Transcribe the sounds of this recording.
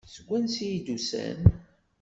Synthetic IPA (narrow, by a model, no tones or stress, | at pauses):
səɡʷːænsijid̪usæ̰n